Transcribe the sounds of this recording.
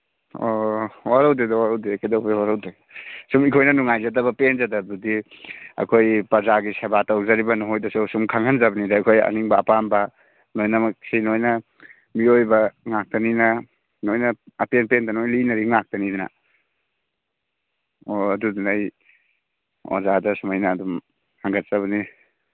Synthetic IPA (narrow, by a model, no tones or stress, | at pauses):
owaɾawdedawaɾawdekedawbewaɾawde | sumikʰojnɐnuŋajzadabɐpenzadadudiɐ̰kʰojpɾɐzaɡisabatawzaɾibɐnuɦojdɐsusumkʰaŋhanzabɐnidakʰojɐ̰niŋbɐːpambɐ | nojnamasinojnɐ | miojbɐŋak̚tanina | nojnaːpenpendanojlinaɾiŋak̚tanidina̰ | oɐdudunaj | o̰zadasumajnaːdum | haŋɡatsaβɐni